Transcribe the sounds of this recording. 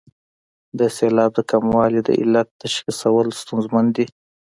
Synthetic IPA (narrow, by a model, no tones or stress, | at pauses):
d̪əselɑb̚d̪əkʰamwɑlid̪ə̰ʔɪ̰lːat̪̚d̪̥aʃxisawəlst̪unzmand̪i